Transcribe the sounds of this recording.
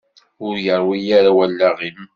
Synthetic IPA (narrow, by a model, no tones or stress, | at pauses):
ʊɾjəɾˤwijaɾawælːæʁim